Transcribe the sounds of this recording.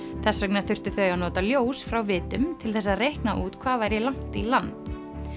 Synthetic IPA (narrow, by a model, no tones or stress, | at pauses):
θɛsvœknaɾ̥θʏr̥t̪ʏθœːɥanɔːt̪aljoːwsfɾawvɪːt̪ʏmt̪ʰɪlθɛsːaðrejhknaʔuːt̪kʰvaːvajɾjɛlawŋ̥t̪ilant̪